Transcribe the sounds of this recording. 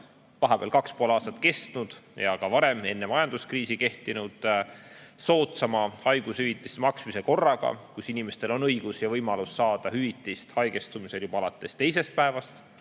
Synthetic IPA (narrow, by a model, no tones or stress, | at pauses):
vɑɦɑb̥ḛɑlkɑkspoolɑːst̪ɑt̪ːke̞st̪nud̪̥jɑkɑvɑɾeme̞nːemɑjɑnd̪̥uskriːsike̞ht̪inud̪̥ | so̞ːt̪sɑmɑhɑjɡ̥ushyvit̪ːˑist̪mɑksmiseko̞rːɑɡ̥ɑ̰kusinime̞st̪e̞lo̞nɤjɡ̥usjɑvɤjmɑlusːɑːd̪̥ɑhyvit̪ːˑist̪hɑjke̞st̪umise̞ljub̥ɑɑlɑt̪ːˑe̞st̪e̞js̬e̞st̪̚pæe̞vɑst̪